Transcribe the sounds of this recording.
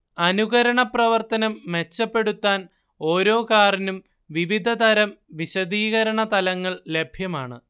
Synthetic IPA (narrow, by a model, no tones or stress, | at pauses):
ɐnuɣɐɾɐɳɐprɐʋɐrt̪ɐnɐmːe̞t͡ɕːɐpːe̞ɽut̪ːaːn | o̞ːɾo̞ːkaːrinum | ʋiʋid̪ʱɐt̪ɐɾɐmʋiɕɐd̪iːɣɐɾɐɳɐt̪ɐlɐŋːɐɭle̞bʱjɐmaːɳɨ